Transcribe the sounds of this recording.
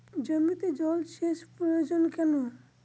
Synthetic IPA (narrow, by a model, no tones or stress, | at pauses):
d͡ʒəmit̪ed͡ʒɔlʃeʃpɾɔjod͡ʒonkɛno